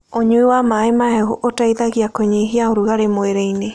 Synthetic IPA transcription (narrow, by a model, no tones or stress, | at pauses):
oɲuiwamaːemaɛuʔotaiðaɣiakoɲeɦiaoɾuɣaɾemoeɾeine